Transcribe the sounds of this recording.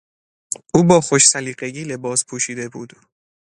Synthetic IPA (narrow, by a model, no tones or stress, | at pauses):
ʔuːbɒːxoʃsæliːɢeɡiːle̞bɒːspʰuːʃiːd̪e̞buːd̪̥